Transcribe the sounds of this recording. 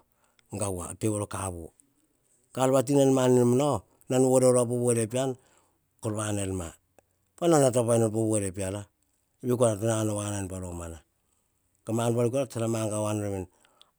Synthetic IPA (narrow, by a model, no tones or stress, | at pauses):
ŋɡawa̰teβoɾokaβo̰ | kalβat̬inelmaninmano | nanoɾeoɾap̬oβoeɾepian | koɾβanelma | pananatapajnopoβoeɾepiala | bikuanatananoβanajnpaɾomana | kamanpaɾik̬oɾat͡ʃaɾamaŋɡawanoɾemen